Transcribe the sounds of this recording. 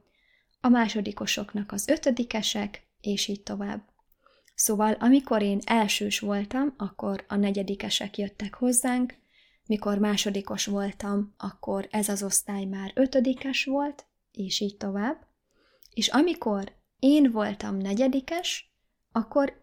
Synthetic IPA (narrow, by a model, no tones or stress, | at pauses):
ɒmaːʃo̞d̪iko̞ʃo̞kn̪ɒkɒzø̞t̪ød̪ikɛʃɛk | eːʃiːc̚t̪o̞va̰ːbː | soːvɒlʔɒmiko̞ɾeːnɛlʃøːʃʋo̞lt̪ɒmɒkːo̞ɾɒnɛɟɛd̪ikɛʃɛkjøt̪ːɛkho̞zːaːŋk | miko̞rmaːʃo̞d̪iko̞ʃʋo̞lt̪ɒmɒkːo̞ɾɛzɒzo̞st̪aːjmaːɾøt̪ød̪ikɛʃʋo̞lt̪ | eːʃiːc̚t̪o̞vaːbː | eːʃɒmiko̞r | eːnvo̞lt̪ɒmnɛɟɛd̪ikɛʃ | ɒkːo̞ɾ